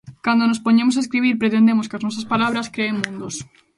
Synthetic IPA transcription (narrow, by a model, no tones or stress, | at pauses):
kand̪onospoɲemosaeskɾiβ̞iɾpɾet̪e̞nd̪emoskaznwos̬aspalaβɾaskɾeːmːũnd̪os